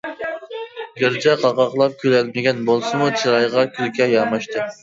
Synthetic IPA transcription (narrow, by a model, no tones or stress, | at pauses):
ɡʲɪɾd͡ʒɛqʰɑqɑqlˠɑp̚kʲʰyɾɛlmɪɡʲɛnbolˠsɨmut͡ʃʰiɾɑjʁɑkʲʰylkʲʰɛjɑmɑʃt̪ɨ